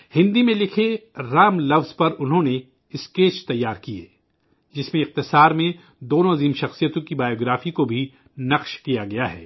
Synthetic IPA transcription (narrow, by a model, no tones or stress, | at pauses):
hɪ̃nd̪imẽlɪkʰeɾaːmlɐfzpɐɾʊnɦõne | ɪskeːt͡ʃt̪ɐjːaːɾkiḛː | d͡ʒɪsmẽɪq̚t̪ɪsaːɾmẽ | d̪oːnõɐziːmʃɐxsijət̪õkibaːjoːɡɾaːfikobʱi | nɐqʃkijaɡɐjaɦɛ̰ː